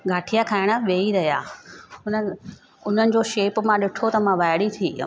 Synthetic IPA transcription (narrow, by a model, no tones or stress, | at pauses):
ɡʱaːʈʰijakʰaːɪɽ̃ə̆ʋeːiɾɐɦija̰ːʊnə | ʊn̤ənɪ̆d͡ʑoːʃeːpmãɗɪʈʰot̪ɐmãʋaːɪɽit̪ʰḭː